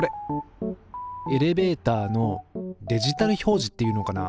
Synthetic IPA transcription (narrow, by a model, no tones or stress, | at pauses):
ɾe | e̞ɾe̞be̞ːt̪aːno̞d̪e̞ʑit̪aɾɯ̟ço̞ːʑi̥t̪ːe̞jiɯ̟ːno̞kana